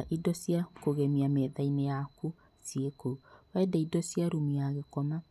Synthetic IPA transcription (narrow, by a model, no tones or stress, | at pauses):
aʔidɔsiakoɣɛmiamɛðainejaku | siekowɛdɛidɔsiaɾumiaɣekɔma